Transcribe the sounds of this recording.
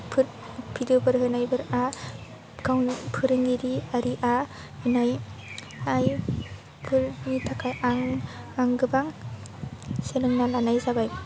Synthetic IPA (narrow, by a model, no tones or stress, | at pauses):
pʰɯɾ | pʰidɯbɯɾɦɯnajbɯɾa | ɡʰawnpʰɯɾɯŋɡiɾiaɾiʔa | hɯnaj | aj | pʰɯɾnitʰakʰajʔaŋ | aŋɡɯbaŋ | selɯŋnalanajzabaj